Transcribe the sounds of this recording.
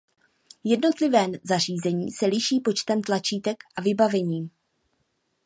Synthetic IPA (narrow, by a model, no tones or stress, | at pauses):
jɛdno̞t̪lɪvɛːmzar̝iːzɛɲiːsɛlɪʃiːpo̞t͡ʃt̪ɛmt̪lat͡ʃiːt̪ɛkʔavɪbavɛɲiːm